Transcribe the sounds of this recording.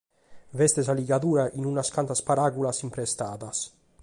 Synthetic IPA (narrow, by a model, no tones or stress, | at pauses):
vɛst̪esaliɡad̪uːɾaʔinunaskant̪aspaɾaɡulasimpɾest̪aːd̪as